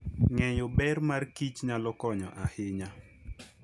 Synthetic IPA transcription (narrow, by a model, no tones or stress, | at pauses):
ŋɛjɔbɛrmarkit͡ʃɲalɔkɔɲɔʔahɪɲa